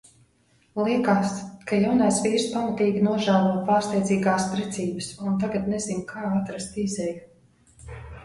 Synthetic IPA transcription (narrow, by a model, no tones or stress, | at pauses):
lˠiɛkaːskajawnajsʋiːɾspamat̪iːɡʲinuɔʒæːlˠuɔpaːɾst̪ɛj̪ziːɡaːspɾɛt̪sʲiːbɨsunt̪aɡat̪nɛzinkʰaːat̪ɾast̪izɛj